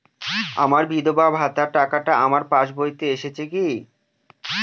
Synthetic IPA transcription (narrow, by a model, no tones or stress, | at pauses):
amaɾbʱid̪obabɦat̪aɾʈakaʈaamaɾpaʃbojt̪eeʃet͡ɕʰeki